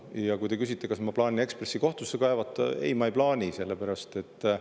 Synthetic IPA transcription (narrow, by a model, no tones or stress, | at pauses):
jɑkujt̪ekys̬ʲit̪ːˑe̞kɑsmɑplɑːnʲie̞kspresːiko̞ht̪usːekɑevɑt̪ːˑḛjmɑejplɑːnʲise̞lːepæɾɑst̪e̞t̪ː